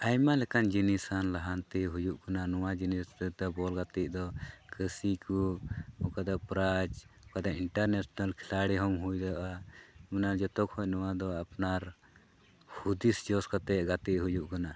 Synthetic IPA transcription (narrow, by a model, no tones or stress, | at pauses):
ajmalɛkand͡ʒinisanlaɦant̪ɛɦujuʔkananɔwad͡ʒinisd̪ɔbɔlɡat̪iʔ̚d̪ɔkʰəsikuɔkad̪apɾad͡ʒɔkad̪aiɳʈaɾnɛsnalkʰi̥laɽiɦɔmɦujd̪aʔamɛnad͡ʒɔt̪ɔkhɔnɔwad̪ɔapnaɾ | hud̪isd͡ʒɔskat̪ɛʔ̚ɡat̪iʔɦujuʔkana